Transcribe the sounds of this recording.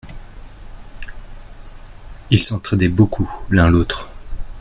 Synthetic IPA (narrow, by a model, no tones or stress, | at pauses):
ilsɔ̃t̪χed̪ɛbokʰulɛ̃lot̪χ